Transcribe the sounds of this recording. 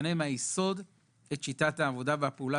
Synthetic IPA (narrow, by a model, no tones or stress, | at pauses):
nemajeso̞d | et̪ʃitathaːvo̞daveapeula